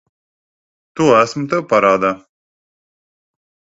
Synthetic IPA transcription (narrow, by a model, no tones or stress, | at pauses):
t̪uæsmt̪ɨpaɾaːd̪a